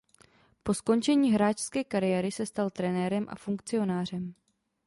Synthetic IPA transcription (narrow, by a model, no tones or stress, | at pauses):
po̞sko̞nt͡ʃɛɲiːɦɾaːt͡ʃskɛːkaɾɪjɛɾɪsɛst̪alt̪ɾɛnɛːɾɛmʔa̰fuŋkt͡sɪo̞naːr̝ɛm